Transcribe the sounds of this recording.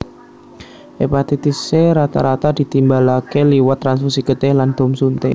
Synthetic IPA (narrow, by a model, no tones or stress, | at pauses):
ʔepat̪ɛt̪iseɾat̪aɾat̪ad̪̥i̤t̪imbalakeliwat̪ːɾansfusikət̪ɛhland̪̥o̤msunt̪e